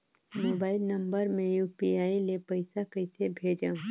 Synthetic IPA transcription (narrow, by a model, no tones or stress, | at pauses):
moːbaːɪlnɐ̃mbəɾmẽjuːpiaːilepɐɪsakɐɪsebʱeːd͡ʒãː